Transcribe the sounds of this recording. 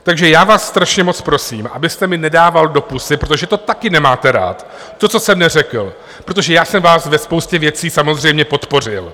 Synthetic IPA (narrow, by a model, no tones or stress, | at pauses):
t̪aɡʒɛjaːvaːsːt̪ɾaʃɲɛmo̞t͡spɾo̞siːmʔa̰bɪst̪ɛmɪnɛdaːvaldo̞pusɪpɾo̞t̪o̞ʒɛt̪o̞t̪akɪnɛmaːt̪ɛɾa̰ːt̪ | t̪ːo̞t͡so̞sɛmnɛrɛkl̩ | pɾo̞t̪̬oʒɛjaːsɛmvaːsvɛspo̞wscɛvjɛt͡siːsamo̞zr̝ɛjmɲɛpo̞t̪po̞r̝ɪl